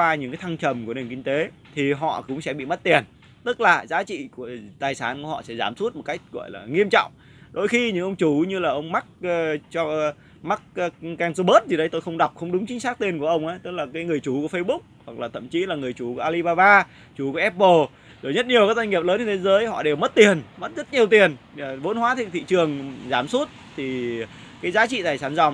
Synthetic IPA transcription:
waː˧ɲɨ̰˧˥ŋkaː˨˦jt̪ʰa˧ŋt͡ɕə˨˩mku˧˩əne˨˩ŋki˧ŋ̟t̪e˨˦ | t̪ʰi˨˩ɦɔ̰˧˨kʊ̰˧˥ŋ͡msɛ̰˧˥ɓḭ˧˨mə˦˥t̚t̪i˨˩ən | t̪ɨ˦˥k̚laː˨˩zaː˨˦t͡ɕḭ˧˨ku˧˩ət̪aː˨˩jsaː˨˦nku˧˩əhɔ̰˧˨sɛ̰˧˥zaː˨˩msu˦˥t̚m˨˩t̚ka˦˥jk̟̚ɣɔ̰˧˨jla̰ː˨˩ŋi˧əmt͡ɕɔ̰˧˨wŋ͡m | ɗo˨˧˦jxi˧ɲɨ̰˧˥ŋʔə˧wŋ͡mt͡ɕu˧˩˦ɲɨ˧laː˨˩ʔə˧wŋ͡mma˦˥k̚ːt͡ɕɔ˧ | ma˦˥k̚ːka˧nzo˧ɓə˦˥t̚zi˨˩ɗə˨˦jt̪o˧jxə˧wŋ͡mɗa˨˩wk͡p̚xə˧wŋ͡mɗʊ˨˦ŋ͡mt͡ɕï˨˦ŋ̟saː˦˥k̚t̪i˧nku˧˩əʔə˧wŋ͡mʔaː˨˦jt̪ɨ˦˥k̚laː˨˩kaː˨˦jŋɨ˨˩əjt͡ɕu˨˧˩ku˧˩əfə˧jɓʊ˦˥k͡p̚hwa˨˩k̚laː˨˩t̪ʰə̰˧˨mt͡ɕi˨˦laː˨˩ŋɨ˨˩əjt͡ɕu˨˧˩ku˧˩əʔaː˧li˧ɓaː˧vaː˧ | t͡ɕu˨˩ku˧˩əʔɛ˦˥p̚ɓo˧˩ | zo˨˩jɲə˦˥t̚ɲi˨˩əwkaː˨˦˥k̚za˧jŋi˨˩əp̚ləː˨˦nːɨ˧˩t̪ʰe˨˦zəː˨˦jhɔ̰˧˨ɗe˨˩wmə˦˥t̚t̪i˨˩ənmə˦˥t̚zə˦˥t̚ɲi˨˩əwt̪i˨˩ən˨˩vo˧˦nhwaː˨˦t̪ʰi˧˨ŋt̪ʰḭ˧˨t͡ɕɨ˨˩əŋzaː˧˩msu˦˥t̚t̪ʰi˨˩ | kaː˨˦jzaː˨˦t͡ɕḭ˧˨t̪aː˨˩jsaː˧˩nzɔ˨˩ŋ͡m

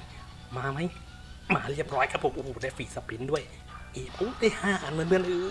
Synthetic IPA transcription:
maː˧ma˦˥j | maː˨˦ɾi˥˩əp̚ɾɔː˦˥jkʰa˦˥pʰo˨˦mʔuː˨˩daː˧˩fiː˨˩sa˧˦pi˨˦ndu˥˩əj | ʔeː˨˩pʰo˨˦k̪eː˧˩haː˧˥˩ʔaː˨˩nmɯ˧˥˦nɯ˧˩ənʔɯː˨˩

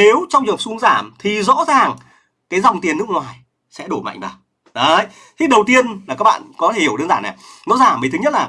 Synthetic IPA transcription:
ne˨˦wt͡ɕɔ˧wŋ͡mzɨ˨˩p̚su˧əŋzaː˧˩mt̪ʰi˨˩zɔ̰˧˥zaː˨˩ŋ | kaː˨˦jzɔ˨˩wŋ͡mt̪i˨˩ənːɨ˦˥kŋwaː˨˩j | sɛ̰˧˥ɗo˧˩ma̰˧˨jŋ̟ɓaː˨˩ | ɗə˨˦j | t̪ʰi˨˦ɗə˨˩wt̪i˧ənla˨˩aː˦˥k̚ɓ̰ːnkɔ˨˦e˧˩hi˧˩əwə˧nzaː˧˩na˨˩zɔ̰˧˥zaː˧˩mi˨˩t̪ɨ˨˦ɲ˦˥t̚laː˨˩

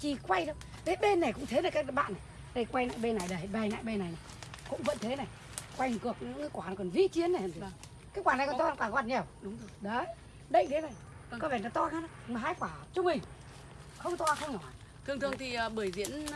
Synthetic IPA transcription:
t͡ɕi˨˩kwa˧jɗə˨˧˦w | ɗe˨˦ɓe˧nːa˨˩kʊ̰˧˥ŋ͡mt̪ʰe˨˦na˨˩kaː˦˥kɓa̰ː˧˨nːa˨˩j | ɗə˧jkwa˧jna̰ː˧˨jɓe˧na˨˩jɗə˨˩˨ɓa˨˧˩jna̰ː˧˨jɓe˧na˨˩jna˨˩kʊ̰˧˥ŋ͡mvə̰˧˥nt̪ʰe˨˦na˨˩j | kwa˧jŋkɨ˨˩ək̚ɲɨ̰˧˥ŋː˧˦kwaː˧˩n˨˦kɔ˨˩nvḭ˧˥t͡ɕi˨˦ənːa˨˩˨h̪ʰ | kaː˨˦jkwaː˧˩na˨˩jkɔ˨nt̪ɔ˧n˧˩kwaː˧˩ka˧˩ɲɛ˨˩wɗʊ˨˦ŋ͡mzo˧˩ɗə˨˦ | ɗḭ˧˨ŋ̟t̪ʰe˨˦na˨˩j | ŋkɔ˨˦vɛː˧˩na̰˧˦t̪ɔ˧kaː˨˦n˧˦˧m˨˩ɦaː˧˦jkwaː˧˩t͡ɕu˧mï˨˩ŋ̟ | xə˧wŋ͡mt̪waː˧˩xə˧wŋ͡mnɔ˨˩ | t̪ʰɨ˧ŋt̪ɨ˨˩əŋt̪ʰi˨˩˨ɓɨ˧˩əjzḭ˧˥ən

